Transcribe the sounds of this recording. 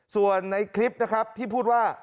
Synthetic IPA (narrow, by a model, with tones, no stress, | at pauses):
su˨˩ənːa˧jkʰɾi˦˥p̚na˦˥kʰɾa˦˥p̚t̪ʰiː˥˩pʰuː˥˩t̪̚waː˥˩